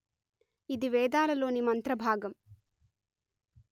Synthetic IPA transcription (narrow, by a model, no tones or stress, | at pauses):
id̪iʋɛːd̪aːlɐlo̞ːnimɐnt̪ɾɐbʱaːɡɐm